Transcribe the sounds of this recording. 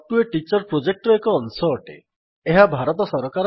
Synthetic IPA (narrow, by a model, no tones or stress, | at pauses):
ʈueʈit͡ʃɔɾpɾod͡ʒek̚ʈɾɔekɔːnsɔːʈḛ | eɦabʱaɾɔt̪ɔsɔɾɔkaɾ